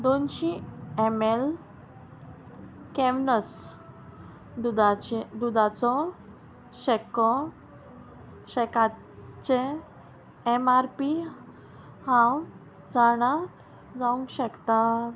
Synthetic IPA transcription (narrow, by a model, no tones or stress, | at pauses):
d̪onɕiemel | kɛʋnəs | d̪ad̪ud̪ʱat͡sɔ | ɕɛkɔ | ɕɛka | t͡ɕe | emaɾpi | hãw | d͡zaɽ̃a | d͡zaũŋɡɕəkt̪a